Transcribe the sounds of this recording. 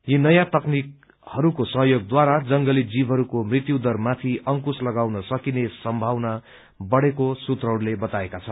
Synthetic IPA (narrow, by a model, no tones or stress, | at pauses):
jinʌjãt̪ʌknik̚ | hʌɾukosʌɦjoɡ̚d̪waɾad͡zʌŋɡʌlid͡zibʱɦʌɾukomrit̪jud̪ʌrmat̪ʰiʔʌŋkuslʌɡawnʌsʌkinesʌmbʱawna | bʌɽekosut̪rʌwɽlebʌt̪aekat͡sʰʌn